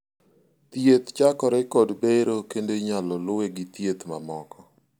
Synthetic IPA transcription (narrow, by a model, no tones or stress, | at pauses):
t̪jet̪t͡ʃakɔɾɛkɔdbeɾokendeɲalɔlʊeɡit̪jet̪mamɔkɔ